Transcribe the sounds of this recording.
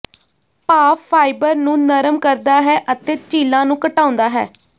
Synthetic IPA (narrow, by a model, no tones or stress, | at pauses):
paːpʰːaːɪbəɾnũːnəɾəmkəɾd̪aːɦɛːʔət̪eːt͡ʃiːlãːnũːkəʈaːõnd̪aːɦɛ̰ː